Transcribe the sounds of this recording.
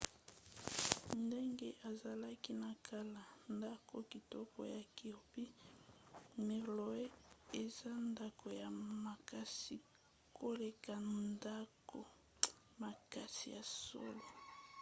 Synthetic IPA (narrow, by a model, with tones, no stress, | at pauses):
nde˦ŋɡe˦ʔa˨za˨la˦ki˦na˨kʰa˦la˨nda˦ko˦ki˨tɔ˦ko̰˨ja˨ki˨o˨pi˦ | me˨lo˨e˦e˨za˦nda˦kʰo˨ja˨ma˨ka˦si˨ | kʰo˦le˨ka˨nda˦ko˨ | ma˨ka˨si˨ja˨so̰˦lo˨